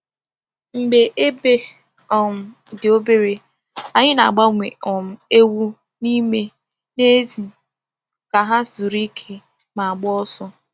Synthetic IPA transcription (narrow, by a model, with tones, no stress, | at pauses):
ŋ͡m̩˨ɡ͡be˨ʔe˦be˦ | ɔ˨m̩˦dɪ˨o˦be˦ɾe˨ | a˨ɲɪ˦na˨ɡ͡ba˦ŋʷe˨ɔ˨m̩˦e˦wu˦ | ni˦me˦ | ne˦zi˨ | ka˨ɦa˦zu˨ɾi˦kʰe˦ | ma˨a˨ɡ͡bɔ˦sɔ˦